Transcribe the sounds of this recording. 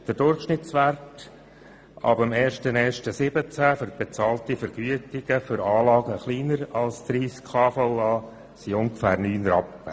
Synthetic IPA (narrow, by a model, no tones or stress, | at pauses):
d̪̥ədʊrχʃnɪt̪sʋært | ɑ̰bəmɛːɾʃtənɛːɾʃtəsɪbət͡sæfʏɾb̥et͡sɑːltifəɾɡ̥yətɪɡ̥əfʏɾɑːlɑːɡəχliːnəɾɑlsd̪ɾiːskʰɑːfɔʊɑː | siʊŋɡəfæːɾnyːnɾɑpːə̰